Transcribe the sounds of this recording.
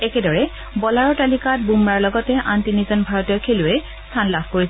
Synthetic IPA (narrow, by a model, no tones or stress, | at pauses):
ɛkɛdɔɹɛ | bɔlaɹɔtalikat̚bumːaɹlɔɡɔtɛʔantinizɔnbʱaɹɔtɔkʰeluɛ | stʰanlabʱkoɹisɛ